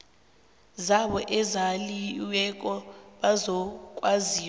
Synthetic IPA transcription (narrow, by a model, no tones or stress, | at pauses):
zaɓɔʔɛzaliwɛk̬ʼɔɓazɔkʼwaziːw